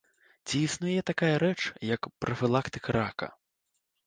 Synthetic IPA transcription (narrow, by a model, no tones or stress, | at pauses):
t͡sʲiːsnujɛt̪akajɐɾɛt͡ʂjɐkpɾɐfʲilˠakt̪ɨkɐɾakɐ̰